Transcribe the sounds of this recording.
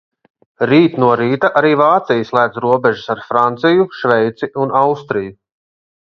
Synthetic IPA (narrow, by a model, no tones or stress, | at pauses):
ɾiːt̪nuɔɾiːt̪aʔaɾiːvaːt̪sijslˠæːd̪zɾuɔbɛʒusaɾfɾant̪sijuʃvɛjt̪siʔunawst̪ɾiju